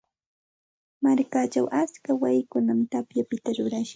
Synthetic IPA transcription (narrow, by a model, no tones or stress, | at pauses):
maɾkaːt͡ʃawʔat͡skawajɪkʊnamt̪apjapɪt̪aɾʊɾaʃɪ